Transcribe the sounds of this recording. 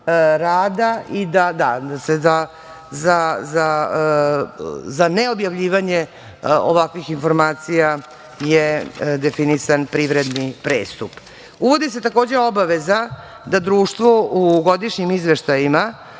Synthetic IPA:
ɾaːd̪aid̪ad̪ad̪aseza | zaza | zaneo̞bjaʋʎiːʋaɲe̞ | o̰ʋakʋixinfo̞ɾmaːt̪sija | jed̪e̞finisanpɾiʋɾed̪nipɾeːst̪up | uʋo̞d̪is̬e̞t̪ako̞ːd͡ʑeobaʋeza | d̪ad̪ɾuːʃt̪ʋo̞uɡo̞d̪iʃɲimizʋeʃt̪ajima

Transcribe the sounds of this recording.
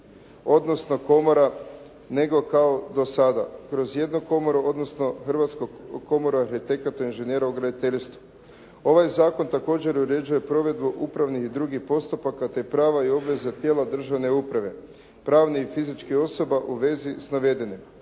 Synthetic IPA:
o̞d̪no̞sno̞ko̞mo̞ɾa | ne̞ɡo̞kao̞d̪o̞sad̪a̰kɾo̞zje̞d̪noko̞moɾoo̞d̪no̞sno̞xr̩ʋat̪skoko̞mo̞ɾoaɾxit̪e̞kat̪oinʒenjeɾaoɡɾad̪it̪e̞ʎʲst̪ʋu | o̞ʋajzaːko̞nt̪ako̞ːd͡ʑe̞ɾuɾe̞d͡ʑuje̞pɾo̞ʋe̞d̪buʔupɾaʋnihid̪ɾuɡihpo̞st̪upakat̪e̞pɾaːʋaio̞bʋe̞zat̪jeːlad̪r̩ʒaʋne̞upɾaʋe̞ | pɾaːʋniifizit͡ʃkio̞so̞baʔuʋe̞zisnaʋe̞d̪enim

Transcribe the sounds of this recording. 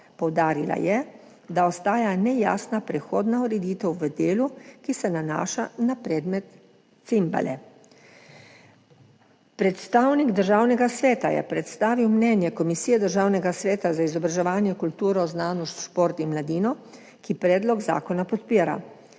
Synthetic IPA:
pɔwd̪aːɾila̰jɛ | d̪aɔst̪aːjanɛja̰ːsnapɾɛxoːd̪nauɾɛd̪iːt̪ɛwʋəd̪eːlukisɛnana̰ːʃanapɾɛːd̪mɛt̪ | simba̰lɛ̰ | pɾɛt̪st̪aːwniɡd̪əɾʒaːwnɛɡasʋɛːt̪ajɛ̰pɾɛt̪st̪aːʋiwmnɛnjɛkɔmisijɛd̪əɾʒaːwnɛɡasʋɛːt̪azaizɔbɾaʒɛʋaːnjɛkult̪uːɾɔznaːnɔʃt̪ʃpoːɾt̪inmlad̪iːnɔ | kipɾɛːd̪lɔɡza̰ːkɔnapɔt̪piːɾa̰

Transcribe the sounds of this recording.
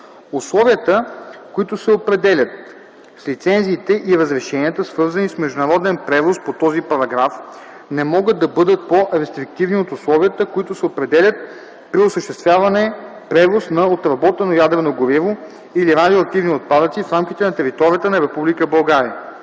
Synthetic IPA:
ʊslˠɔviət̪əkoit̪ʊsɛopɾɛd̪ɛlʲət̪̚ | slit̪sɛnziːt̪ɛʔiɾəzɾɛʃɛniət̪əsvɤɾzɐnismɛʒd̪ʊnɐɾɔd̪ɛnpɾɛvospot̪ɔzipɐɾɐɡɾaf | nɛmɔɡəd̪d̪ːɐbɤd̪ət̪̚poɾɛst̪ɾik̚t̪ivniot̪ʊslˠɔviət̪əkoit̪ʊsɛopɾɛd̪ɛlʲət̪̚ | pɾiosəʃt̪ɛst̪vjavɐnɛ | pɾɛvosnɐot̪ɾɐbɔt̪ɛnojad̪ɾɛnoɡʊɾivo | iliɾad̪ʲioɐk̚t̪ivniot̪̚pad̪ət̪sifɾamkʲit̪ɛnɐt̪ɛɾit̪ɔɾʲiət̪ənɐɾɛpublikəbɐlˠɡaɾiə

